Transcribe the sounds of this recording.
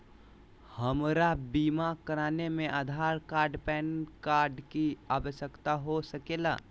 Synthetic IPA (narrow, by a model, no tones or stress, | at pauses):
həmɾabiːmakəɾaːnemẽʔaːd̪ʱaːɾkaːɾɖpɛːnkaːɾɖkiaːʋəʃjəkt̪aɦosəkeːla̰ː